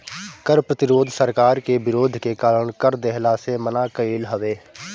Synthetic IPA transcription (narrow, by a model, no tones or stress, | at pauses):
kəɾpɾət̪ɪɾoːd̪ʱsəɾkaːɾkebɪɾoːd̪ʱkekaːləɳ̃kəɾd̪ɛɦlasemənakəiːlɦəʋeː